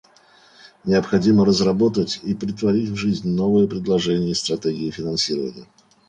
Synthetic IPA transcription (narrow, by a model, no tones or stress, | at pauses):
nʲɪəpxɐdʲiməɾəzrɐbo̞t̪ətʲipɾʲɪt̪vɐɾʲitʲvʐɨzʲnʲno̞vɨjəpɾʲɪd̪lˠɐʐɛnʲɪjəst̪ɾɐtʲeɡʲɪɪfʲɪnɐnsʲiɾəvə̰nʲɪ̰jə